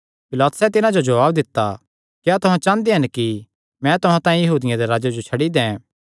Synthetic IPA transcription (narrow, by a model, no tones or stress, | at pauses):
pɪlaːt̪ʊ̥sɛt̪ɪnãd͡ʒod͡ʒɐʋaːbd̪ɪt̪ːa̰ | kjaːt̪ʊɦãt͡ʃãːnd̪iɦɐnki | mɛ̃t̪ʊɦãt̪ãːĩjɐɦuːd̪ɪjãd̪eɾaːd͡ʒad͡ʒot͡ʃʰɐɽid̪ɛ̃ː